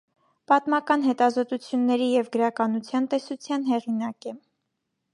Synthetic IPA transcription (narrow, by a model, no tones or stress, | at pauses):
pɑt̪mɑkɑnɦɛt̪ɑzɔt̪ut͡sʰjunːɛɾijɛvɡəɾɑkɑnut͡sʰjɑnt̪ɛsut͡sʰjɑnɦɛʁinɑkɛ